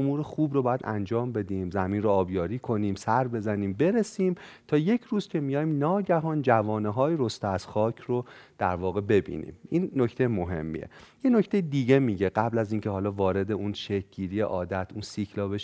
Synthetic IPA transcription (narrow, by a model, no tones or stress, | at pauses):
omuːɾexuːbrobɒːjæd̪ʔæ̰nd͡ʒɒːmbe̞d̪iːmzæmiːnroɒːbjɒːɾiːkʰo̞niːmsæɾbe̞zæniːmbe̞ɾesiːmt̪ʰɒːje̞cʰɾuːzcʲʰe̞mijɒːjmnɒːɟæɦɒːnd͡ʒævɒːneɦɒːjeɾost̪eæz̥xɒːcʰrod̪̥æɾvɒːɣe̞be̞bḭːnḭːmiːnːoct̪ʰejmo̞ɦe̞̰mːḭḛje̞no̞cʰt̪e̞jed̪iːɟe̞miɟe̞ɢæblæziːncʰeɦɒːlɒːvɒːɾe̞d̪e̞unʃekɟiːɾijḛʔɒːd̪æt̪ʰunsikʰlɒːbeʃ